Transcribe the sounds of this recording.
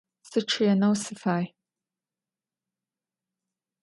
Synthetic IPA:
sɨʈ͡ʂʰianowsɪfaːj

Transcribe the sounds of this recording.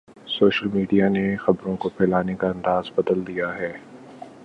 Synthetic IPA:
soːʃəlmiːɖijanexɐbɾõkopʰɛːlaːnekaɐ̃nd̪aːzbɐd̪əld̪ijaɦɛː

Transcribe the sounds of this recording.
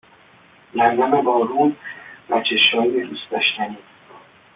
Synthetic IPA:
læɾd̪æmebɒːɾuːnbæ̰t͡ʃʰeʃɒːjed̪uːsd̪ɒ̰ːʃt̪ʰæniː

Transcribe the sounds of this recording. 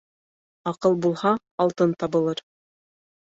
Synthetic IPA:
ɑqɤlˠbulˠhɑː | lˠt̪ɤnt̪ɑbɤ̆lˠɤɾ

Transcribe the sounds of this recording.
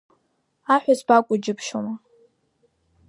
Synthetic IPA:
aħʷᶣazbakʷʼʊd͡ʒɪpʰʃoma

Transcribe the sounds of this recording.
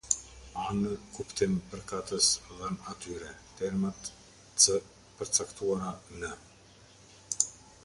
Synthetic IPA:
anəkupt̪impəɾkat̪əsðɛnat̪yɾɛt̪ɛɾmat̪ | sə | pəɾt͡sakt̪uaɾanə

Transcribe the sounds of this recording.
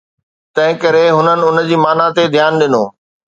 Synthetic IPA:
t̪ɐ̃ɦɪ̃kɐɾeɦʊnənɪ̆ʊn̆d͡ʑiːmaːnat̪ed̪ʱjaːnɗɪnoː

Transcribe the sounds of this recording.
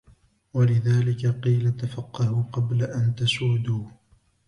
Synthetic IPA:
walɪðaːlɪkaqiːlat̪afɑqːɑhʊqɑblaʔant̪asuːd̪uː

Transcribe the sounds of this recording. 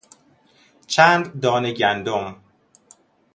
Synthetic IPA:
t͡ʃʰæːnd̪d̪ɒːneɟænd̪om

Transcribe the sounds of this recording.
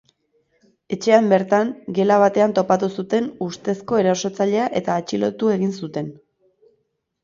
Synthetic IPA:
e̞t͡ʃe̞ambe̞ɾt̪aŋɡe̞laβ̞at̪e̞ant̪o̞pat̪usut̪e̞nust̪e̞sko̞e̞ɾaso̞t͡saʎe̞aʔe̞t̪aːt͡ʃilo̞̰t̪ue̞ɣ̞insut̪e̞n

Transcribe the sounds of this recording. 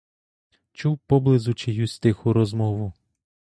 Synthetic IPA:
t͡ʃuwpɔblˠɪzʊt͡ʃɪjust̪ɪxʊɾɔzmɔʋʊ

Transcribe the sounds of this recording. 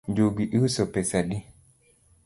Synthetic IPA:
nd͡ʒoɡiʔisɔpɛsaɗi

